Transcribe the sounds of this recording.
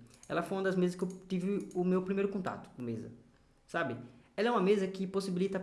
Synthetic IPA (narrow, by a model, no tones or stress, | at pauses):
ɛ̰lɐfojũɐd̪ɐzmezɐskɪewt̪ivɪʊmewpɾimejɾʊkõnt̪a̰t̪ʊ̥kõmezɐ̰ | sabɪ | ɛlɐɛũmɐmezɐkɪposibilit̪ɐ